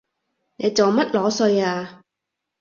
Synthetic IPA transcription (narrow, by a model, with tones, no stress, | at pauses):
ne˨˧jt͡so˨wmɐ˥t̚lɔː˨˧˥sɵ˧ɥaː˧